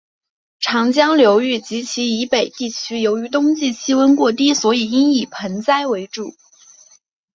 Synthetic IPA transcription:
ʈ͡ʂʰɑ˧˥ŋt͡ɕjɑ˥ŋljo˧˥ʊy˥˩t͡ɕi˧˥t͡ɕʰi˧˥i˧˥pe˨˩ɪt̪i˥˩t͡ɕʰy˥jo˧˥ʊy˧˥t̪̬ʊ˥ŋt͡ɕi˥˩ɕi˥wə˥nkwɔ˥˧t̪̬i˥swɔ˧˥i˨˩i˥ŋi˥˩pʰə˧˥nt͡sa˥ɪwe˧˥ɪʈ͡ʂu˨˩˦

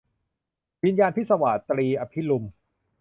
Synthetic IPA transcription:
wi˧njaː˧npʰi˥t̪̚sa˧wa̰˨˩t̪ɾiː˧ʔa˧pʰi˦˥lu˧m

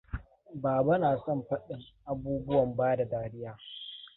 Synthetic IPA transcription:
baː˨ba˦naː˨sɔ˦mɸɐ˦ɗɪ˦ŋʔa˦buː˦bʊ˦wɐ˨mbaː˦da˨daː˦ɽɪ˦jaː˦

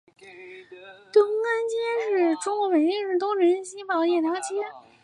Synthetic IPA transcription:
t̪ɤ˥˩˥a˥nt͡ɕi˥ʂɻ̩˥˩ʈ͡ʂʊ˥ŋkwɔ˧˥pə˨˩nt̪i˥˧ŋʂɻ̩˥˧t̪ʊ˥ŋʈ͡ʂʰə˧˥nɕi˥pɑ˨˧˩ʊjɛ˥˩na˧˥t͡ɕʰi˥˨

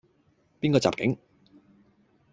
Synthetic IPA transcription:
piː˥nkɔ˧t͡sa̰ː˨p̚kɪ˨˥ŋ

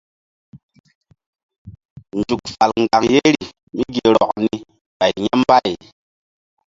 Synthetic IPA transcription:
n˨d͡ʒu˨k̚fa˨lŋ̩˨ɡa˨ŋje˦ɾi˨ | mi˦ɡi˨ɾɔ˨kni˦ | ba˨i˨ɲa˦mba˦i˨

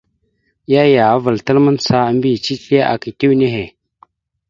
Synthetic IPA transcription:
ja˦ja˨a˦və˨ltə˦lmə˦nsa˦m˦bi˦˨t͡ʃi˦ta˦ʔa̰˨ki˨ti˦wne˦ɦe˨

